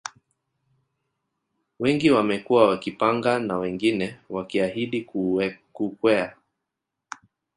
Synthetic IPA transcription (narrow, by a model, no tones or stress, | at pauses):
wɛŋɡiwamɛkuwawakipaŋɡanawɛŋɡinɛwakiaɦiɗikkukwɛa